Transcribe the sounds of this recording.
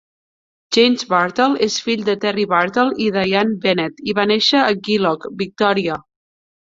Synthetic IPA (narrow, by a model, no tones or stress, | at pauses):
ʒejmzβaɾt̪əlˠesfiʎd̪ət̪ɛriβaɾt̪əlˠiðajanbɛnɛt̪iβaneʃəːɡilɔkbik̚t̪ɔɾiə